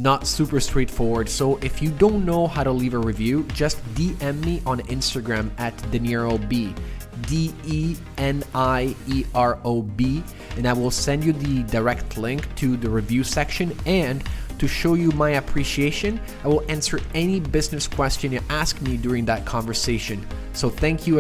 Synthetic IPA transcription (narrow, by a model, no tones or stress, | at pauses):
nətsupə˞stɹ̥eɪtfɔɹwə˞d̥soʊʔɪfjɨdõʊ̃nːoʊhaʊɾəlivəɹivjʉd͡ʒʌstd̥iʔɛ̃mːiʔə̃nɪ̃nstəɡɹæ̃mɨtdɨnɪɹoʊbi | dii | ɛ̃naɪiʔɑɹoʊbi | ɨ̃naɪwɪlˠsɛ̃nd͡ʒjɨðɨdə˞ɛktʰlɪ̃ŋktʰɨðɨɹivjʉsɛkʃɨ̃nɨ̃ntʰɨʃoʊjɨmaɪɨpʰɹ̥iʃieɪʃɨ̃n | aɪwɪlˠæ̃nsə˞ɛnibɪznɨskʰw̥ɛst͡ʃɨ̃njɨʔæskmidʊɹɪ̃ŋðɨt̚kʰɑ̃ɱvə˞seɪʃɨ̃n | soʊθæ̃ŋkʰjɨ